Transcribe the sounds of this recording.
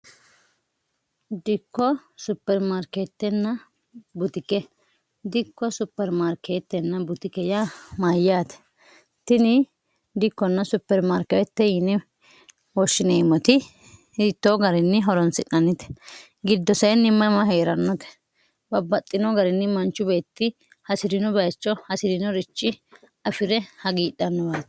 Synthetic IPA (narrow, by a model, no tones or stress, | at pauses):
d̪ɪkːɔsʊpːɛɾmaɾket̪ːɛnːɐ | bʊt̪ɪkɛ | d̪ɪkːɔsʊpːɛɾmaɾkʰet̪ːɛnːɐbʊt̪ɪkɛjamajːaːt̪ɛ̥ | t̪ɪnɪ | d̪ɪkːɔnːɐsʊpːɛɾmaɾkɛt̪ːɛjɪnɪ | wɔʃːɪneːmɔt̪ɪ | ɪt̪ːoɡɐɾɪnːɪɦɔɾɔnsɪᶑɐnːɪt̪ɛ̥ | ɡɪd̪ːɔsɐjnːɪmːɐmɐɦeːɾɐnːɔt̪ɛ̥ | bɐbːɐt̪ʼːɪnɔɡɐɾɪnːɪmɐnt͡ʃːʊbe̞ːt̪ːɪ | hɐsɪɾɪnɔbɐːt͡ʃːɔhɐsɪɾɪnɔɾɪt͡ʃːɪ | ɐfɪɾɛhɐɡiːɗɐnːɔbaːt̪ɛ̥